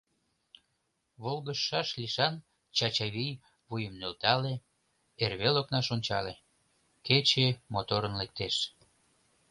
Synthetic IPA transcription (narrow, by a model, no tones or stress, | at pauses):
βolɣəʃːɑʃliʃɑn | t͡ɕɑt͡ɕɑβij | βujəmnølt̪ɑle | erβeloknɑʃonʲt͡ɕɑle | ket͡ɕemot̪oɾənlek̚t̪eʃ